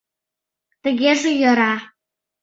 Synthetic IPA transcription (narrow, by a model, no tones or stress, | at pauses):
t̪ə̆ɣeʒejə̆ɾɑ